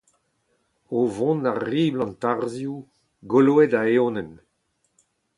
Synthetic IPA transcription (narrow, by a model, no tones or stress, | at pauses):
ovɔ̃naʁːiːblɑ̃nt̪aʁzju | ɡoloedaeonɛn